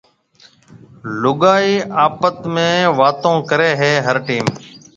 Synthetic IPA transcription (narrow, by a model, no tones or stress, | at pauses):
lʊɠaːiːʔaːpət̪mẽːʋaːt̪õːkəɾeːɦeːɦəɾʈiːm